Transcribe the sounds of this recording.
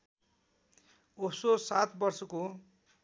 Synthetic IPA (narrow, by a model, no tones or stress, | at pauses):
ososat̪bʌrsʌko